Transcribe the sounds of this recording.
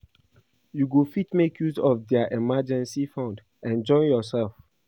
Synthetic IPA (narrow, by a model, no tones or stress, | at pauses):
juɡufitmekjuzɔfdɛaʔɛmad͡ʒɛ̃nsifãnd | ɛ̃nd͡ʒɔ̃ɪ̃njɔsɛlf